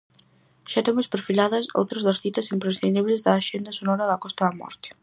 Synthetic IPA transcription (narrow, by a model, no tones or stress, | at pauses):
ʃat̪emʊspeɾfilaðɐso̰wt̪ɾɐzðɐsθit̪ɐsimpɾesθind̪iβlɪzðɐːʃend̪ɐsonɔɾɐðɐkɔst̪ɐðɐmɔ̰ɾt̪ɪ̥